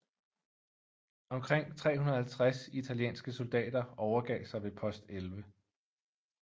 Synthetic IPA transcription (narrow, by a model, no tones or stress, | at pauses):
ʔɒ̽mkʰʁeŋ̰t͡sʰʁɛ̰ːɦunɐhælt͡sʰʁasit͡sʰæljḛːnsɡ̥əso̝ld̥ɛ̰ːd̥ɐɒʊɐɡ̥ɛ̰ːɪsɑ̈ɪʋe̝pʰɒ̽sd̥elʋə